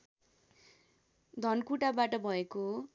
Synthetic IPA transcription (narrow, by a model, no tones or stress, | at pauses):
d̪ʱʌnkuʈabaʈʌbʱʌeko